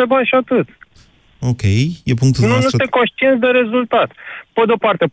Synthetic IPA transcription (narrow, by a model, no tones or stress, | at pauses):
ebanʃat̪ɨt̪ | okejepũŋkt̪uðnũnusẽkonʃt͡ʃ̪ient̪d̪eɾe̞zult̪at̪ped̪eo̞part̪e